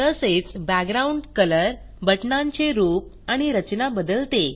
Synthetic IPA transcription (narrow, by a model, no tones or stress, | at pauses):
t̪əset͡sbæɡɾauɳɖkələɾ | bəʈnãɲt͡ɕeɾup̚ | aɽ̃iɾət͡ɕnabəd̪əlt̪e